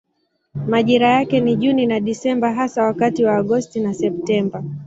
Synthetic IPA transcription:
maʄiɾajakɛniʄuninaɗisɛmbaɦasawakatiwaːɠɔstinasɛp̚tɛmba

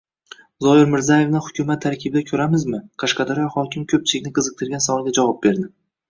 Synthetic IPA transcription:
zɒjɪɾmɪɾzaje̞vnɪhʊkʲʰʊmat̪ʰːaɾkʲʰɪbɪd̪akʲʰɵɾamɪzmɪqʰɑʃqɑd̪aɾjɒhɒkʲɪmkʲʰɵp̚t͡ʃʰɪlɪkʲnɪqʰɨzɨq̚t̪ʰɨɾɡʲansavɒlˠɡʲad͡ʒavɒp̚be̞ɾd̪ɪ

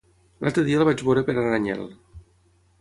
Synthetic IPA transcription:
lʔa̰lˠt̪ɾəðiaəlβad͡ʒβoɾəpeɾaraɲɛ̰l

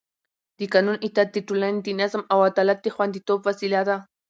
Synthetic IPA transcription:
d̪ikanʊnʔit̪at̪ːiʈ͡ʂulant̪inasamawat̪alat̪ːixwant̪it̪opasilaɾa

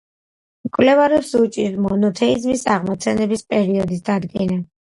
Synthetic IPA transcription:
mkʼwlɛvaɾɛpsut͡ʃʼiɾmɔnɔt̪ʰɛizmisaʁmɔt̪sʰɛnɛbispʼɛɾiɔd̪isd̪ad̪ɡɛna

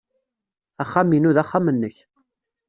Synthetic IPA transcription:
æχːaminuðaχːamənːəç

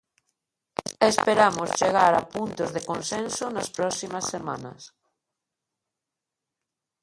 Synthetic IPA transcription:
espeɾamost͡ʃeɣaɾa̰punt̪ozðekonsensonaspɾɔsimasːemanɐ̰s

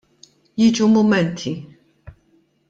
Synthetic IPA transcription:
jit͡ʃumumɛnt̪ʰi

